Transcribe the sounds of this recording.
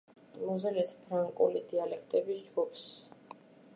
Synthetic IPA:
muzɛlɛspʰɾaŋkʼṵlid̪ialɛkʰt̪ʼɛbisd͡ʒɡupʰs

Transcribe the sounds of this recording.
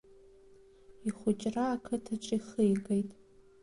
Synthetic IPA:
iχʊt͡ʃʼraːkʰɨtʰaʈ͡ʂʷʼiχɨjɡʼejtʼ

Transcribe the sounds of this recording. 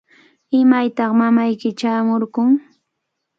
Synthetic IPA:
ɪmajt̪ɑχmamajkɪt͡ʃaːmoɾkʊŋ

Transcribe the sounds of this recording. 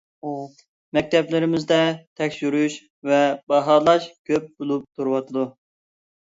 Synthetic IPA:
mɛk̚ʲt̪ʰɛplɪɾɪmɪzd̪ɛt̪ʰɛkʲʃyɾuʃ | vɛbɑɦɑlˠɑʃkʲʰøp̚bolˠup̚t̪ʰuɾɨwɑt̪ʰɨd̪u

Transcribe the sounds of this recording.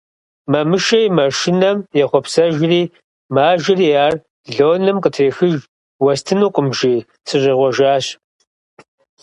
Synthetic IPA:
mɐmɨʃɐjmɐʃɪnɐmjɛχʷɔpsɐʒriː | maːʒɪriːjaːr | ɮoːnɨmqətʰreːxɨʒ | wɐstʰɨnuːqʷʼʊmʒiː | sʰɨɕʼɪʁʷɔʒaːɕ

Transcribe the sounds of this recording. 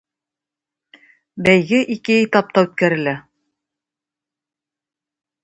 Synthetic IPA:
bæjɡɘʔikɘit̪ɑp̚t̪ɑʉt̪̚kæɾɘ̆læ

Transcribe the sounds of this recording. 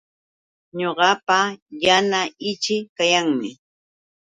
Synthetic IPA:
ɲoɢɑpajanaɪt͡ʃɪkajaŋmɪ̰

